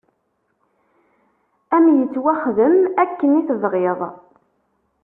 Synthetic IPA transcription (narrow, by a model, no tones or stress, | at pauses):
æmjət͡sːwæχðəmækːəniθəvʁeðˤ